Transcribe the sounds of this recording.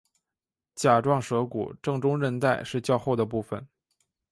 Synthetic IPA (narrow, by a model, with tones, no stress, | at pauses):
t͡ɕja˨˩ʈ͡ʂwɑ˥˩ŋʂɤ˧˥kṵ˨˩ʈ͡ʂɤ˥˩ŋʈ͡ʂʊ˥ŋɻə˥˧nt̪a˥˧ɪʂɻ̩˥˧t͡ɕjɑ˥˧ʊxo˥˩ʊd̪ə˩p̬u˥˩fə˨˩n